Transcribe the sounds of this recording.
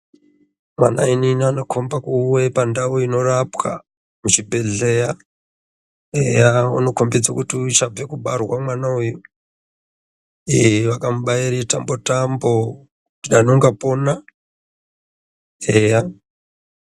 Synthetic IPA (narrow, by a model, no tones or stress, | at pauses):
ma̰na̰ininanokʰombakuwepandaoino̞rapwa̰ | mut͡ʃibʱe̞ɮeja | ejauno̞kombed͡zokutiuit͡ʃab͡vekuɓarwamwanauju | eʋakamuɓaiɾetambo̞tambo̞ | nanoŋɡapo̞na | eja